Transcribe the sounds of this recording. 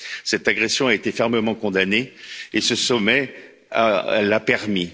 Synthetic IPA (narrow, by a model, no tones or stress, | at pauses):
sɛt̪aɡʁesjɔ̃aet̪efɛʁməmɑ̃kɔ̃d̪aneesəsɔmɛ | a̰lapɛʁmi